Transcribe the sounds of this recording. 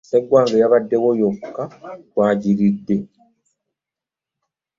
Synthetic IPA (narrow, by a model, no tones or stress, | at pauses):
seɡwaːŋɡejaβadːeβojokːawaːɟiɾidːe